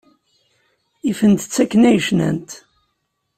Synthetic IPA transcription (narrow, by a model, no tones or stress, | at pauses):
ifənt̪ə̥t͡sːækːənæjʃnæ̰nt̪